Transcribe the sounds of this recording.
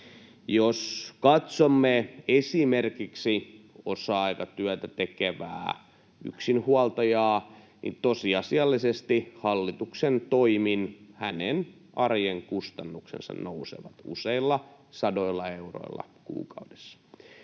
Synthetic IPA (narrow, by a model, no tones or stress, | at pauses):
joskɑt̪somːeesimerkiksio̰sɑɑikɑt̪yæt̪æt̪ekeʋæ̰ː | y̰ksinhuɑlt̪ɑjɑː | nḭt̪osiɑsiɑlːisest̪ihɑlːit̪uksent̪oiminhænen | ʔɑrjeŋkust̪ɑnːuksḛnsɑ̰nnousḛʋɑt̪ṵseilːɑ | sɑdoilːɑeeuro̰ḭlːɑ̰kṵːkɑude̥sːɑ̥